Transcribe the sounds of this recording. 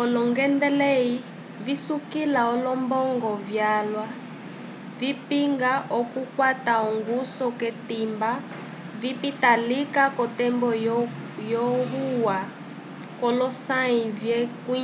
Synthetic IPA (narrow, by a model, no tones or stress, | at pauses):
ɔlɔŋɡɛndɛlɛi | visukilaɔlɔmbɔŋɡɔvjalwa | vipiŋɡaʔɔkukwataɔŋɡusɔkɛtimba | vipitalikakɔtɛmbɔ | jɔɣuwa | kɔlɔsaivjɛku